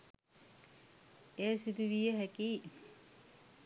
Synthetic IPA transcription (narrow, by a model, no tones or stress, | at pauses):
eːsid̪uʋijəɦækiː